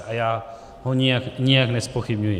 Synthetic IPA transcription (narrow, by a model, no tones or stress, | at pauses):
ʔajaː | ɦoɲɪjakɲɪjaknɛspo̞xɪbɲujɪ